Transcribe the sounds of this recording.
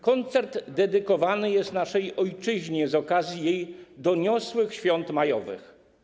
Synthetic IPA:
kɔnt̪sɛɾd̪d̪ɛd̪ɘkɔvanɘjɛst̪naʂɛjɔjt͡ʂɘʑɲɛzɔkazʲjijejd̪ɔɲɔswɘxɕfʲjɔnt̪majɔvɘ̰x

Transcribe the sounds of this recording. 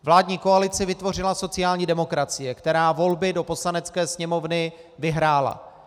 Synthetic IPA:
vlaːdɲiːko̞alɪt͡sɪvɪt̪vo̞r̝ɪlaso̞t͡sɪjaːlɲiːdɛmo̞kɾat͡sɪjɛkt̪ɛɾaːvo̞lbɪdo̞po̞slanɛt͡skɛːsɲɛmo̞vnɪ | vɪɦɾaːla̰

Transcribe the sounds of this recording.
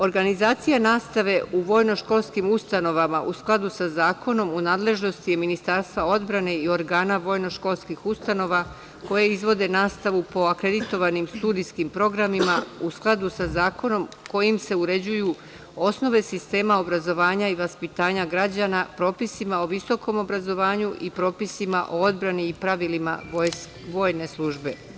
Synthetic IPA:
o̞ɾɡanizaːt̪sijanaːst̪aʋe̞uʋo̞jno̞ʃko̞lˠskimust̪ano̞ʋamaʔusklˠad̪usazaːkʰo̞no̞munaːd̪le̞ʒno̞st̪ije̞minist̪aɾst̪ʋao̞d̪bɾane̞io̞ɾɡaːnaʋo̞ːjno̞ʃko̞lˠskixust̪ano̞ʋa | ko̞jeizʋo̞d̪e̞naːst̪aʋupo̞akɾe̞d̪it̪o̞ʋanimst̪ud̪iskimpɾo̞ɡɾamimausklˠad̪usazaːkʰo̞no̞mko̞jimse̞uɾe̞d͡ʑuju | o̞sno̞ʋe̞sist̪e̞ːmao̞bɾazo̞ʋaːɲaiʋaspit̪aːɲaɡɾad͡ʑanapɾo̞ːpisimao̞ʋiso̞ko̞mo̞bɾazo̞ʋaːɲuʔipɾo̞ːpisimaʔoo̞d̪bɾaniipɾaʋilima̰o | ʋo̞ːjne̞slˠuːʒbe̞

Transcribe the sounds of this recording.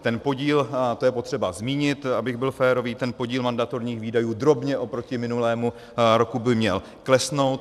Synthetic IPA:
t̪ɛnpo̞ɟiːlt̪ojɛpo̞t̪r̥ɛbazmiːɲɪt̪abɪɣbɪlfɛːɾo̞viːt̪ɛnpo̞ɟiːlmandat̪o̞ɾɲiːxviːdajuːd̪ɾo̞bɲɛʔo̞pɾo̞cɪmɪnulɛːmu | ɾo̞kubɪmɲɛ̰l | klɛsno̞wt̪

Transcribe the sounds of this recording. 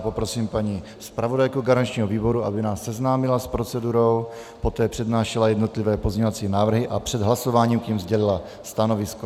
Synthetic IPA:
popɾo̞siːmpaɲi | spɾavo̞dajkuɡaɾant͡ʃɲiːɦoviːbo̞ɾuʔa̰bɪnaːsːɛznaːmɪlaspɾo̞t͡sɛduɾo̞w | po̞t̪ɛːpr̥ɛdnaːʃɛlajɛdno̞t̪lɪvɛːpozɲɛɲovat͡siːnaːvr̩ɦɪʔapr̝̥ɛd̪ɦlaso̞vaːɲiːmkɲimzɟɛlɪla | st̪ano̞vɪsko

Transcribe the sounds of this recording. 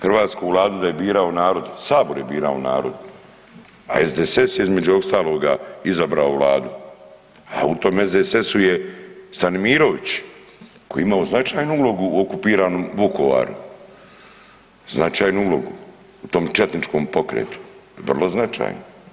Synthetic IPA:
xr̩ʋaːt̪skuːʋlˠaːd̪ud̪ajebiːɾaonaːɾo̞d̪saːbo̞ɾje̞biːɾa̰ona̰ːɾo̞d̪ | a̰e̞zd̪ese̞sjeizme̞d͡ʑuost̪aːlo̞ːɡaizabɾaoʋlˠa̰ːd̪u | a̰ut̪o̞ːme̞zd̪esesujest̪anmiːɾo̞ʋit͡ɕ | kojimaoznat͡ʃaːjnuulo̞ɡuːokupiːɾaːno̞ːmʋuko̞ʋa̰ːɾṵ | znat͡ʃaːjnuulo̞ɡuː | t̪o̞ːmt͡ʃet̪nit͡ʃko̞ːmpo̞kɾḛːt̪u̥ʋrlˠo̞znat͡ʃa̰jno

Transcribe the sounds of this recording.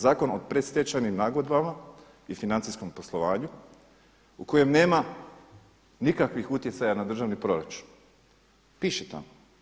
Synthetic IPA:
zaːko̞nopɾest̪jet͡ʃanimnaːɡod̪bama | ifinant̪sisko̞mpo̞slˠo̞ʋaːɲu | ukoje̞mne̞ːma | nikakʋixut̪je̞tsajanad̪r̩ʒaʋnipɾo̞ɾat͡ʃu̥n | piːʃet̪a̰mo

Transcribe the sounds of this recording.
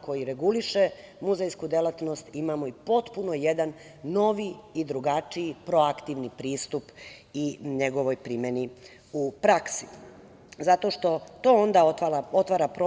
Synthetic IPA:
ko̞jiɾe̞ɡuliʃe | muzejskud̪elat̪no̞st̪imamo̞ipo̞t̪puno̞je̞d̪anː | o̞ʋiid̪ɾuɡat͡ʃiipɾo̞akt̪iʋnipɾiːst̪upiɲeɡo̞ʋo̞jpɾimeni | upɾaksi̥ | zat̪o̞ʃt̪o̞t̪o̞ond̪aaot̪ʋaːɾapɾo

